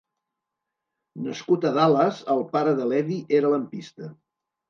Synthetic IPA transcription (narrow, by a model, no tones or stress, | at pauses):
nəskut̪əðaləzəlˠpaɾəðəlɛðiʔeɾələmpist̪ə